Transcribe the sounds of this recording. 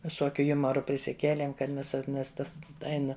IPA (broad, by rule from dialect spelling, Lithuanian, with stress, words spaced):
ʋʲɪˈsoːkʲʊ ˈjʊmɐrʊ pʲrʲɪsʲɪˈkʲeːlʲeːm kɐt ˈmʲɛs nʲɛs ˈtɐs ˈɛɪnɐ